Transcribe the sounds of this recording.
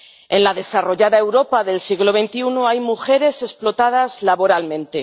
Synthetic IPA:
e̞nlaðe̞saro̞ʝaðae̞wɾo̞paðe̞lsiɣlo̞β̞e̞nt̪iunoajmuxe̞ɾe̞se̞splo̞t̪að̞azlaβo̞ɾalmẽ̞nt̪e̞

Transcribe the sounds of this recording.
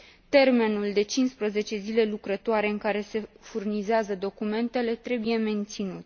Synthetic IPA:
t̪e̞rme̞nuld̪e̞t͡ʃinspɾəze̞t͡ʃe̞zile̞lukɾət̪oaɾe̞ɨŋkaɾe̞se̞furnizeazəd̪o̞kume̞nt̪e̞le̞t̪ɾe̞buje̞me̞nt̪sinut̪

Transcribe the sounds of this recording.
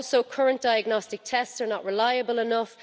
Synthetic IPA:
soʊkʰʌɹə̃nd̥aɪəɡnɔstɪk̚tʰɛstsə˞nəʔɹɪlaɪəbəlˠɪnʊff

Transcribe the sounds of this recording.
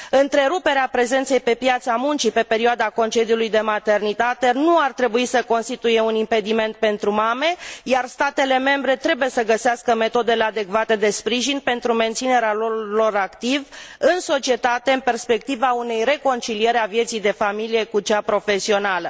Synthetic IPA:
ɨnt̪ɾe̞ɾupe̞ɾeapɾe̞ze̞nt̪sejpe̞pjat̪samunt͡ʃipe̞pe̞ɾiuad̪ako̞nt͡ʃe̞d̪iulujd̪e̞mat̪e̞rnit̪at̪e̞nuart̪ɾe̞buisəko̞nst̪it̪uje̞unimpe̞d̪ime̞nt̪̚pe̞nt̪ɾumame̞jarst̪at̪e̞le̞me̞mbɾe̞t̪ɾe̞buje̞səɡəseaskəme̞t̪o̞d̪e̞le̞ad̪e̞kvat̪e̞d̪e̞spɾiʒinpe̞nt̪ɾume̞nt̪sine̞ɾealolo̞ɾakt̪ivɨnso̞t͡ʃie̞t̪at̪e̞ɨmpe̞rspe̞k̚t̪ivaune̞jre̞ko̞nt͡ʃilie̞ɾeavje̞t̪sijd̪e̞familije̞kut͡ʃapɾo̞fe̞sio̞nalə

